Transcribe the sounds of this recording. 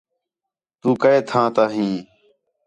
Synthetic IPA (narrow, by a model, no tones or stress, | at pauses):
t̪uːkəeːt̪ʰãːt̪aːɦĩː